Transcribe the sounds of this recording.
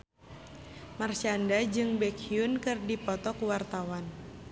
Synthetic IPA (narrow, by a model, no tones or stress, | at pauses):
mart͡ʃandad͡ʒɨŋbɛkiunkɨrdipɔt̪ɔkuwart̪awan